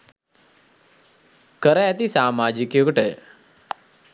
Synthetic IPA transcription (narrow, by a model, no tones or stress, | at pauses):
kəɾajat̪isaːmaːd͡ʒikjokəʈe